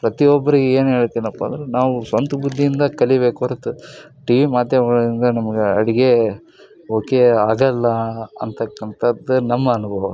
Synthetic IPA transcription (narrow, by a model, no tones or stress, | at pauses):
pɾɐt̪iɔbːɐɾiɡeeːnɦe̞ːɭt̪iːnɐpːɐ̰nd̪ɐɾenaːʋusʋɐnt̪ubud̪ːijind̪ɐkɐlibe̞ːkuʋɐɾut̪u | ʈiʋimaːd̪jɐmɐɡɐɭind̪ɐnɐmɐɡeɐ̰ɽiɡe̞ | oːkeaːɡɐlːɐɐ̰nt̪ɐkːɐnt̪ʰɐd̪ːunɐmːɐːnubʱɐʋɐu